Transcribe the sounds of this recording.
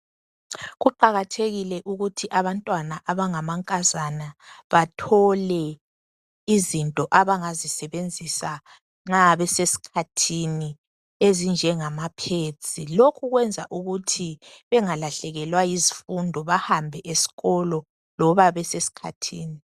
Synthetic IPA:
ɣuǃaɣatʰeɣilɛʔuɣutʰiʔaβantʼwanaʔaβaŋamaŋkʼazanaβatʰɔlɛ | izintʼɔʔaβaŋazisɛβend͡zʱisa | ŋ͡ǁaβɛsesi̥kʰatʰini | ezind͡ʒʱɛŋamapʰet͡sʼilokʰuɣwɛnd͡zʱaʔuɣutʰi | βɛŋalaɬɛɣɛlwajizifundʱɔβahambʱɛʔesi̥ɣɔlɔ | lɔβaβɛsesi̥kʰatʰiːni

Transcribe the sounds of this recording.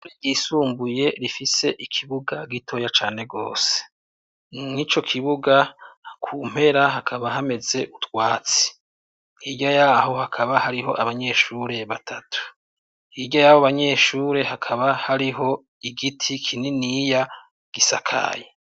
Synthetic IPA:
iɟisuːmbuje̞ɾifise̞ʔikʰiβuɡaɡitʰo̞jat͡ʃaːne̞ɡo̞̰ːse̥ | nit͡ʃo̞kʰiβuɡakʰuːm̥he̞ɾaɦakʰaβaɦame̞ze̞ʔutwaːt͡si̥ | hiːɟajaɦo̞hakʰaβahaɾiɦo̞ʔaβaɲe̞ʃuːɾe̞βatʰatʰu̥ | iːɟajahoβaɲe̞ʃuːɾe̞ɦakʰaβahaɾiɦo̞ | iɡitʰikʰininija | ɡ̥isa̰kʰa̰ːje

